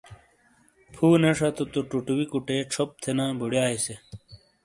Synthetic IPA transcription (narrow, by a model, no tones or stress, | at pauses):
pʰuːneʂɐt̪ut̪uʈuʈuwikuʈeːʈ͡ʂʰop̚t̪ʰenãːbʱuɽjaːise